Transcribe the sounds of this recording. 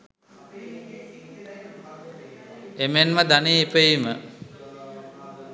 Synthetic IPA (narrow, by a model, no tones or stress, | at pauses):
emenʋad̪aneipəjimə